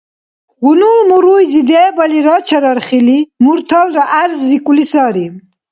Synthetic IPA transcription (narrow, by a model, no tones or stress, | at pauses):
ɣunulmuɾujzid̪eːbaliɾɑt͡ʃʰaɾaɾχilimuɾt̪ʰalɾaʔaɾzɾikulisɑːɾim